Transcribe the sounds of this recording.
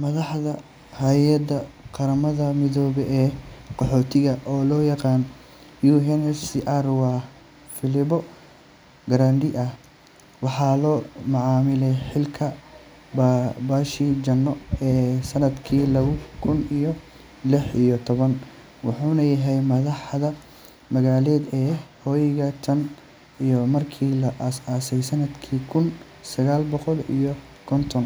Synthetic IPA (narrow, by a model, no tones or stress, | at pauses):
mɐðɑħðɐ | hɐjɐd̪ɐqɑɾɐmɐðɐmɪðɔːβɛʔɛːqɔħɔːt̪ʰɪɣɐʔɔːlɔːjɑqɑːn | juːɦɛnɛsiʔarwɑː | fɪlɪbɔ | ɡɾaːnd̪ɪʔɐh | wɑħɑːlɔːmɑʕɑːmɪlɛjħɪlkʰɐ | babaːʃid͡ʒɐnːɔɛːsɐnɐd̪kʰiːlɐβʊkʰʊnijɔ | lɪħijɔt̪ʰɔβɐn | wɑħuːnɐjɐɦɛjmɐðɑħðɐ | mɐɣaːlɛːd̪ɛːhɔːjɪɣɐt̪ʰɐn | ijɔmɐrkʰiːlɐʔsaːsɛjsɐnɐd̪kʰiːkʰʊn | sɐɣaːlbɔqɔlḭjɔ | kʰɔnt̪ʰɔn